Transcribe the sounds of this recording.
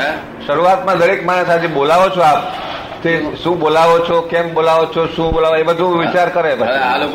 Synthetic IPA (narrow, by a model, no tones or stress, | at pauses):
ʃəɾuʋat̪mãd̪əɾekmaɳ̃əsad͡ʒebolaʋot͡ʃʰɔap | t̪eʃũbolaʋot͡ʃʰɔkɛmbolaʋot͡ʃʰɔʃũbolaʋaebəd̪ʱũʋit͡ʃaɾkəɾepə